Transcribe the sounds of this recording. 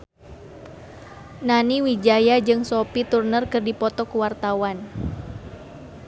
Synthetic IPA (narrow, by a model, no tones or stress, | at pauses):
naniwid͡ʒajad͡ʒɨŋsopit̪urnərkərdipɔt̪ɔkuwart̪awan